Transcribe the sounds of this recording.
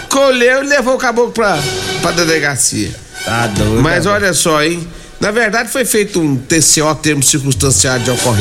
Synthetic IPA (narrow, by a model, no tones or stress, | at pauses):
kolewɪlevowkabokʊpɾɐpɾɐd̪eleɡasḭɐ̰ | ad̪omɐzɔʎɐsɔẽj̃ | nɐveɾd̪ad͡ʒɪfojfejt̪ʊũt̪eseɔt̪eɾmʊsiɾkũst̪ɐ̃siad̪d͡ʒɪokoɦe